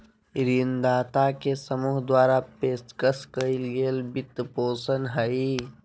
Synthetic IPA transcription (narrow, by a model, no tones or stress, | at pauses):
ɾind̪aːt̪akesəmuːɦd̪waːɾapeːskəskəilɡeːlbit̪ːpoːsənɦəi